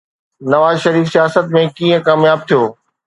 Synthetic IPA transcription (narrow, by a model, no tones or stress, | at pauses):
nɐʋaːzʃɐɾiːfsijaːsət̪mẽkĩːə̃kaːmjaːb̚t̪ʰijoː